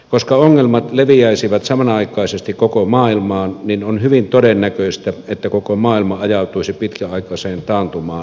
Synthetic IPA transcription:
koskɑoŋːelmɑt̪leʋiæˑisiʋɑt̪sɑmɑnɑɑˑikːˑɑˑisest̪ikkokomɑːilmɑːnninonhyʋint̪odenːækøˑist̪æet̪ːækokomɑːilmɑɑjɑˑut̪uisipit̪kæɑˑikɑseːnt̪ɑːnt̪umɑː

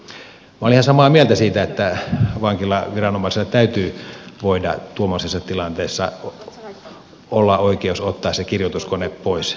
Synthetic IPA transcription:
mæolihɑnsɑmɑːmielt̪æsiːt̪æet̪ːæʋɑŋkilɑʋirɑnomɑˑiselːɑt̪æyt̪yːʋoidɑ̰t̪uomːosesːɑt̪ilɑnt̪eːsːɑ̰ | olːɑʔoˑikeusot̪ːɑːssekirjot̪uskoneppoˑis

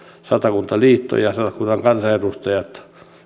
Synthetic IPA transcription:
sɑt̪ɑkunt̪ɑliːt̪ːo̰jɑsɑt̪ɑkunːɑŋkɑnsɑerust̪ɑjɑt̪

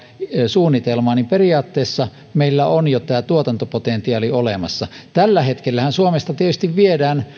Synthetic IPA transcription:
suːnːit̪elmɑːnimperiɑːt̪ːeˑːsːɑ | meilːæonjot̪æːt̪uot̪ɑnt̪opot̪ent̪iɑːliolemɑ̰sːɑt̪ælːæhet̪kelːæhænsuomest̪ɑt̪iet̪yst̪iʋʋiedæːn

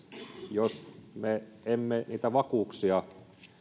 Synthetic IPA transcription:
josmeemːeniːt̪æʋɑkuːˑksiɑ

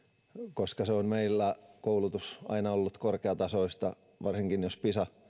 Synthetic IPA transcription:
koskɑseonmeilːækoulut̪usɑ̰inɑolːut̪korkeɑt̪ɑsoist̪ɑ | ʋɑrsiŋkinjospisɑ

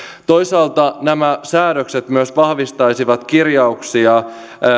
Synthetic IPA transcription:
t̪ojsɑːlt̪ɑnæmæsæːɾøkset̪myøsʋɑhʋist̪ɑjsiʋɑt̪kirjɑuksiɑ

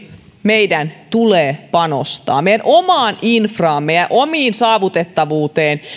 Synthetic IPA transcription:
meidænt̪uleːpɑno̰st̪ɑ̰ːmejænʔomɑːninfrɑːmmeijjæʔʔomiːnsɑːʋut̪et̪ːɑʋuːt̪eːn

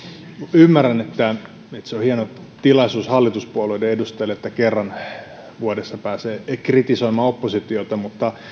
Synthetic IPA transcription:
ymːærːænet̪ːæ | et̪seohienot̪ilɑsuːshɑlːit̪uspuoleideedust̪elet̪ːækerːɑn | ʋuodesːɑpæːseːkrit̪isoimɑːopːosit̪iot̪ɑmut̪ːɑ

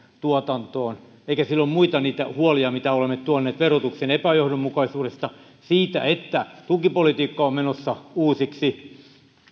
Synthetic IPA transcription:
t̪uot̪ɑnt̪oːn | eikæsilːommuit̪ɑniːt̪æ̰huoliɑmit̪æolemːett̪uɑnːeːt̪ʋerot̪uksenepæjohdommukɑisuːɾest̪ɑ | siːt̪æ̰et̪ːæt̪ukipolit̪iːkːɑommenosːɑuːsiksi

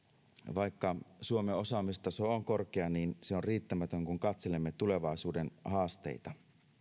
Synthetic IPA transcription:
ʋɑjkːɑsuomeo̞sɑːmist̪ɑsooŋko̞rkeɑniːnseorriːt̪ːæmæt̪øŋkuŋkɑt̪se̞le̞mːet̪ule̞ʋɑisuːde̞nhɑːst̪e̞̰jt̪ɑ

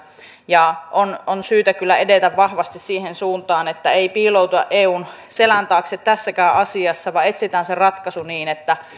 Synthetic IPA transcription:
jɑʔononsyːt̪ækylːæedet̪æʋʋɑhʋɑst̪issiːɦensuːnt̪ɑːnet̪ːæeipiːlout̪uɑʔʔeːuːnselænt̪ɑːkset̪t̪æsːækæːʔɑsiɑsːɑʋɑe̞t̪sit̪æːnserɑt̪kɑsuniːnet̪ːæ

